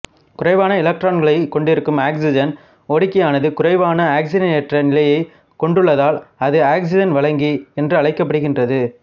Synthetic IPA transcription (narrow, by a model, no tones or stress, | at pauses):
kʊrɐɪʋaːnɐɪlɐk̚ʈɾaːnɡɐɭɐɪkɔɳɖɪɾɯkːɯmaːksɪd͡ʒɐn | oːɽɪkːɐjaːnɐðɯkʊɾɐɪʋaːnɐaːksɪd͡ʒɐnɛʈrɐnɪlɐjɐɪ | kɔɳɖɯɭːɐðaːlɐðɯaːks̬ɪd͡ʒɐnʋɐɭɐŋɡiɛndrɯɐɭɐɪkːɐpːɐɽɯɣɪndrɐðɯ